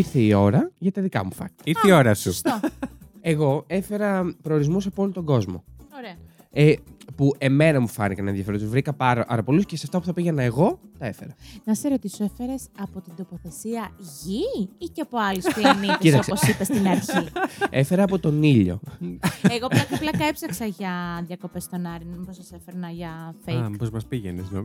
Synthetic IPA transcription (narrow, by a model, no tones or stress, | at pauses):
iɾθeio̞ɾɐʝɐt̪ɐðikɐ̰mufɐ̰niɐiɾθeio̞ɾɐsust̪oe̞ɣo̞e̞fe̞ɾɐpɾo̞ːɾizmusɐpolot̪o̞ɡo̞zmo̞̰oɾeɐ | epuʔe̞me̞nɐmufɐ̰nikɐnḛnðjɐfeɾot̪uzvɾikɐpɐɾɐɐ̰ɾɐpolusceseɐft̪ɐpuθɐpiɣɐnɐeɣo̞t̪ɐe̞fe̞ɾɐnɐseɾot̪isoefeɾesɐpo̞t̪ind̪o̞po̞θe̞siɐʝiiceɐpo̞ɐlisuɐnit̪eist̪ɐoseposipest̪inɐɾçiefe̞ɾɐːpo̞t̪o̞niʎo̞̰eɣoɐkɐplɐkɐepsɐksɐʝɐðjɐko̞pe̞st̪o̞nɐɾinmposɐsefeɾnɐʝɐfejkpozmɐspiʝenesnom